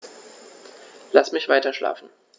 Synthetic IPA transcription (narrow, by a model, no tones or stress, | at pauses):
lasmɪçv̥aɪtɐʃla̰ːfn̩